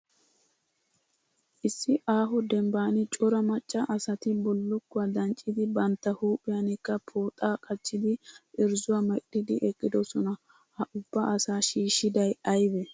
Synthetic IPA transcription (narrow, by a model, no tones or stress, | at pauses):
ʔɪsːɪʔaːɦɔd̪ɛmbaːnɪt͡ʃʼɔɾɐmɐt͡ʃʼːɐʔɐsɐt̪ɪbɔlːʊkːʊwɐd̪ɐnt͡ʃʼːɪd̪ɪbɐnt̪ːɐhuːpʼːɪjɐnɪkːɐpʰoːt̪ʼaːkʼɐt͡ʃʼːɪd̪ɪʔɪɾzʊwamɐʔɗɪd̪ɪʔɛkʼːɪd̪ɔsɔnɐ | hɐʔʊbːɐʔɐsaːʃiːʃːɪd̪ɐjɐjbɛ